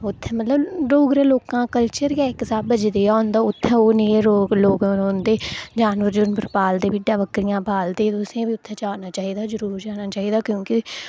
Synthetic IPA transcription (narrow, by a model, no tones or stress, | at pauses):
ʊt̪ʰːɛːmət̪ləbɾoːɡɾẽːloːkãːkəlt͡ʃəɾjaːksaːbəd͡ʒd̪eːaːnd̪aːʊt̪ʰːɛ̃ːoːnẽːeːɾoːɡloːɡnoːnd̪eːd͡ʒaːnʋəɾd͡ʒʊnpɾpaːld̪eːbɪɖaːʋəkɾɪjãːbʱaːld̪eːt̪ʊsẽːbiːʊt̪ʰːɛ̃ːt͡ʃaːnaːt͡ʃaːɦiːd̪aːzəɾuːɾd͡ʒaːnaːt͡ʃaːɦiːd̪aːkjõːkɪ